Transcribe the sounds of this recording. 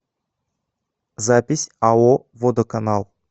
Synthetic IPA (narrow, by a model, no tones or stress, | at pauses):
zapʲɪsʲao | vod̪okanalˠ